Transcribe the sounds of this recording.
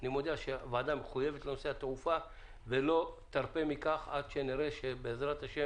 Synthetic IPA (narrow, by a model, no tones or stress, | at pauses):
animo̞d̪eaʃevaːd̪ameχuje̞vet̪lenoseat̪ʁufa | velo̞t̪aʁpe̞mikaχad̪ʃeniɾe̞ʃebeːzʁat̪haʃe